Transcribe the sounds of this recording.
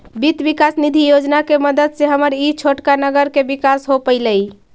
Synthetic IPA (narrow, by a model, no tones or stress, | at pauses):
bit̪bikasnid̪ʱijod͡ʒnakeməd̪əd̪seɦəməɾit͡ʃʰoʈkanəɡəɾkebikasɦopəɪləj